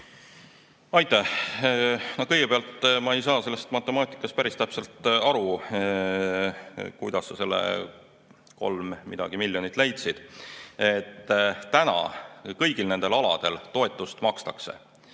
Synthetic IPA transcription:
ɑjt̪ːˑæh | nokɤjɡe̞peɑlt̪ːmɑe̞jsɑːse̞lːest̪mɑt̪ːˑe̞mɑːt̪ʲˑi̥kːˑɑst̪̚pæɾist̪æpse̞lt̪ːˑɑɾu | kujd̪̥ɑsːɑse̞lːḛ | ko̞̰lmmid̪̥ɑɡ̥imilʲjo̞nit̪ːˑlejt̪sid̪̥et̪ːænɑ̰kɤjɡ̥ilne̞nd̪̥e̞lɑlɑ̰d̪̥elt̪o̞e̞t̪ːˑust̪mɑkst̪ɑksḛ

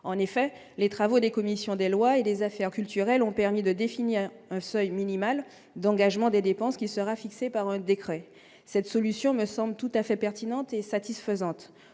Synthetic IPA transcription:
ɑ̃nefɛ | let̪χavod̪ekɔmisjɔ̃d̪elwaed̪ezafɛʁkʲylt̪yʁɛlɔ̃pɛʁmid̪əd̪efiniʁɛ̃sœjminimal | d̪ɑ̃ɡaʒmɑ̃d̪ed̪epɑ̃skʲisəʁafiksepaʁɛ̃d̪ekχɛ | sɛt̪sɔlysjɔ̃məsɑ̃blt̪ut̪afɛpɛʁt̪inɑ̃t̪esat̪isfəzɑ̃t̪

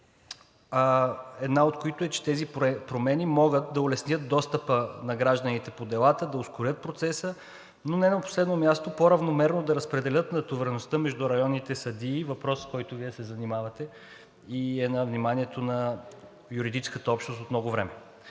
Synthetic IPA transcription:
aɛd̪naot̪̚koit̪oɛt͡ʃɛ̥t̪ɛzipɾomɛnimɔɡət̪̚d̪ɐolɛsnʲət̪̚d̪ɔst̪əpənɐɡɾaʒd̪ənit̪ɛpod̪ɛlˠat̪əd̪ɐoskoɾʲət̪̚pɾot̪sɛsə | nonɛnɐpo̥slɛd̪nomʲjast̪opoɾɐvnomɛɾnod̪ɐɾɐspɾɛd̪ɛlʲət̪nɐt̪ovɛɾɛnost̪əmɛʒd̪uɾɐjɔnːit̪ɛsɐd̪iːvɐpɾɔsːkɔjt̪ʊviɛsɛzɐnimavɐt̪ɛ | iɛnɐvnimaniɛt̪onɐ | juɾid̪it͡ʃskət̪əɔpʃnost̪ot̪mnɔɡovɾɛmɛ

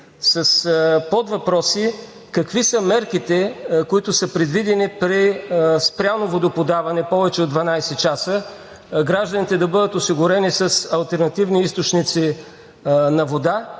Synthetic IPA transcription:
sɐspod̪vɐpɾɔsi | kɐkvisəmɛɾkit̪ɛkoit̪ʊsəpɾɛd̪vid̪ɛnipɾispɾʲjanovod̪opod̪avɐnɛpɔvɛt͡ʃɛod̪vɐnajsɛt͡ʃasə | ɡɾaʒd̪ənit̪ɛd̪ɐbɤd̪ət̪ʊsiɡʊɾɛnisəsɐlˠt̪ɛɾnɐt̪ivniist̪ot͡ʃnit̪si | nɐvod̪a

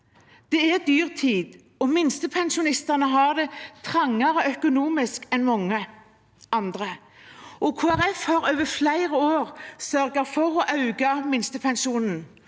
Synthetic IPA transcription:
d̪̥ɛæd̪yːʁt̪ʰiːd̪ | ɔmɪnst̪əpʰɛnʃʊnɪst̪ɑʁnəɦɑd̪ɛt̪ʰʁɑŋːɑɾəœkʊnuːmɪskɛnmɔŋːə | ʔɑnd̪ʁə | ʔɔkʰoːæʁɛfhɑɾøːʋəflæɪʁəoːʁsœɾɡəfɔɾɔʔɑʉɡɑmɪnst̪əpʰɛnʃuːnn̩

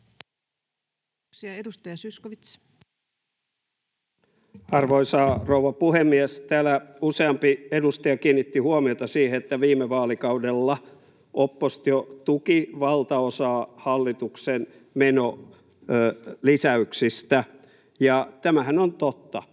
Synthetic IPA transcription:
siɑedust̪ɑjɑsyskoʋit̪s | ɑrʋoisɑːrouwʋɑpuhemːiɛst̪æːlæuseɑmpiedust̪ɑjɑkiːnːit̪ːihuomiot̪ɑsiːheet̪ːæʋiːmːˑeʋɑːlikɑudelːɑ | ʔopːost̪jot̪ukiʋɑlt̪ɑosɑːhɑlːit̪uksen | meno | lisæyksist̪æ | jɑt̪æmæhænont̪ot̪ːɑ

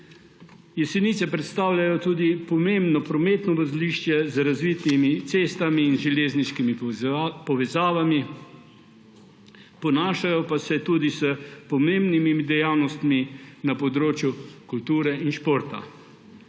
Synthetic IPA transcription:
jɛsɛnit̪sɛpɾɛt̪st̪aːwlʲjajɔt̪uːd̪ipɔmembnɔpɾɔmet̪nɔʋɔzliʃt͡ʃjɛzɾazʋiːt̪imit̪seːst̪amiːnzʒɛleːzniʃkimipɔʋɛzaːʋami | pɔnaːʃajɔpasɛt̪uːd̪isəpɔmembnimiid̪ɛjawnɔst̪minapɔd̪ɾoːt͡ʃjukult̪uːɾɛinʃpoːɾt̪a̰

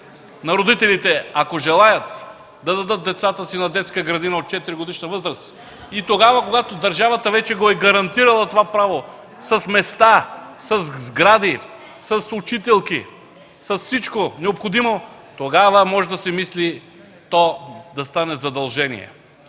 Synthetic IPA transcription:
nɐɾod̪it̪ɛlit̪ɛakoʒɛlˠajət̪ | d̪ɐd̪ɐd̪ɤt̪̚d̪ɛt̪sat̪əsinɐd̪ɛt̪skəɡɾɐd̪inɐot̪̚t͡ʃɛt̪iɾiɡod̪iʃnɐvɤzɾəs | it̪oɡavɐkoɡat̪od̪ɐɾʒavət̪əvɛt͡ʃɛɡoɛɡɐɾɐnt̪iɾɐlˠɐt̪ovapɾavo | sɐsmɛst̪asɐzzɡɾad̪i | sɐsut͡ʃit̪ɛlˠki | sɐsfsit͡ʃkonɛopxod̪imot̪oɡavəmɔʒɛd̪ɐsɛmisli | t̪ɔd̪ɐst̪anɛzɐd̪ɐlˠʒɛnḭɛ̰

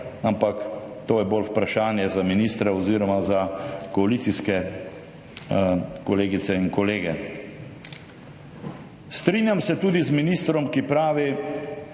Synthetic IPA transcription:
ampakt̪oːjɛbolwpɾaʃaːnjɛzaminiːst̪ɾɛɔziːɾɔmazakɔaliːt̪siskɛ | kɔleːɡit̪sɛiŋkɔleːɡɛ | st̪ɾiːnjamsɛt̪uːd̪izminiːst̪ɾɔmkipɾaːʋi

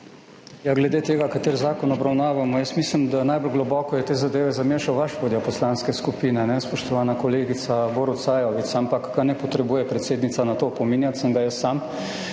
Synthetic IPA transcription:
jaɡlɛd̪eːt̪eːɡakat̪eːɾzaːkɔnɔbɾawnaːʋamɔjəsmislimd̪anajbɔlɡlɔbɔkɔjɛt̪eːzad̪eːʋɛzameʃawʋaʃʋoːd̪ijɔpɔslanskɛskupiːnɛnɛspɔʃt̪ɔʋaːnakoleːɡit̪saboɾut̪sajɔʋit̪sampakːanɛpɔt̪ɾɛbuːjɛpɾɛt̪seːd̪nit̪sanat̪oːpɔminjat̪səŋɡajəssam

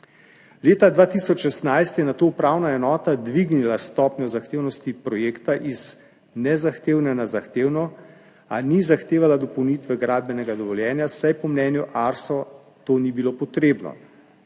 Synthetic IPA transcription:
leːt̪ad̪ʋaːt̪isɔt͡ʃʃɛst̪najst̪jɛnat̪oːupɾaːwnaɛnɔːt̪ad̪ʋiɡnilast̪ɔːpnɔzaxt̪eːwnɔst̪ipɾɔjeːkt̪aʔiz | nɛzaxt̪eːwnɛnazaxt̪eːwnɔ | a̰nizaxt̪eːʋalad̪ɔpɔwnit̪ʋɛɡɾaːd̪̚bɛnɛɡad̪ɔʋɔljɛːnjasajpɔmnɛːnjuʔaɾsɔ | t̪oːnibilopɔt̪ɾeːbnɔ̰

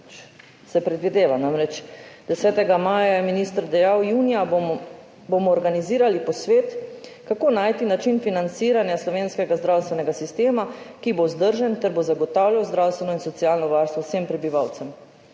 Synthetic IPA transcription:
sɛpɾɛd̪ʋid̪eːʋanamɾɛt͡ʃd̪ɛsɛːt̪ɛɡamaːjajɛminist̪əɾd̪ɛjawjuːnija | bomɔːɾɡaniziːɾalipɔsʋeːt̪kakoːnaːjt̪inat͡ʃinfinant̪siːɾanjaslɔʋeːnskɛɡazd̪ɾawst̪ʋɛnɛɡasist̪eːmakibozd̪əɾʒɛnt̪ɛɾbozaɡɔt̪awljawzd̪ɾawst̪ʋɛnɔinsɔt̪siaːlnɔʋaɾst̪ʋɔwsempɾɛbiʋawt̪sɛm

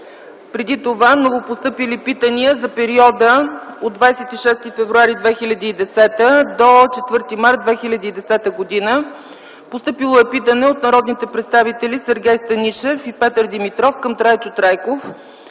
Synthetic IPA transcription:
pɾɛd̪it̪ovamnovopost̪ɤpilipit̪əniəzɐpɛɾiɔd̪əod̪vajsɛt̪iʃɛst̪ifɛvɾuaɾid̪vɛxilʲəd̪iːd̪ɛsɛt̪əd̪ot͡ʃɛt̪vɤɾt̪imaɾt̪̚d̪vɛxilʲɐd̪iːd̪ɛsɛt̪əɡod̪inə | post̪ɤpilˠoɛpit̪ənɛot̪nɐɾɔd̪nit̪ɛpɾɛt̪st̪avit̪ɛlisəɾɡʲɛjst̪ɐniʃɛfipɛt̪əɾd̪imit̪ɾɔfkəmt̪ɾajt͡ʃot̪ɾajkof

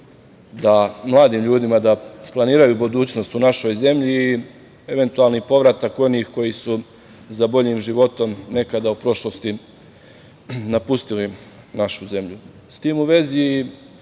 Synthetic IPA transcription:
d̪amlˠaːd̪iːmʎuːd̪imad̪aplˠaniːɾajuːbud̪uːt͡ɕno̞st̪unaʃo̞jze̞mʎiː | e̞ʋe̞nt̪ualnipo̞ʋɾat̪ako̞niːxko̞jisu | zabo̞ʎiːmʒiʋo̞t̪o̞mne̞kad̪aupɾo̞ʃlo̞st̪i | napust̪ili | naʃuze̞mʎu | st̪iːmuʋe̞ziː

